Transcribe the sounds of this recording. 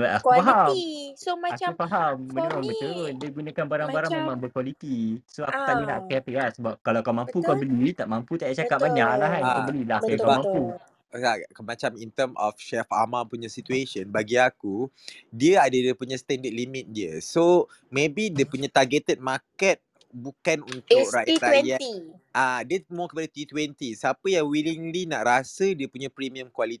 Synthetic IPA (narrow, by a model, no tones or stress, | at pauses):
apaɦamsomaaapaɦamːənimãŋbət̪uɾʊn̚diəɡunakanbaɾaŋbaɾaŋmemãŋbəkwalit̪isoaku̥kt̪alina̰ʔapeapelahsəbap̚kalakamãmpukabəlit̪aʔmãmput̪ajaʔt͡ʃakat̪̚baɲaʔlaɦanabəlilakamampu | amat͡ʃamint̪əmɔ̰fʃɛfa̰mapuɲãsit̪ueʃənbaɡiaku | diəadədiəpuɲãst̪ɛndəd̪̚limit̪̚diəso | mebidiəpuɲãt̪arɡɛt̪ət̪̚makɛt̪̚ | bukanunt̪ʊk̚ɾaaja | ʔadiəmɔkəpadat̪it̪wɛnt̪isəapəjaŋwiliŋlinaʔɾasədiəpuɲapɾimiə̃mkwalit̪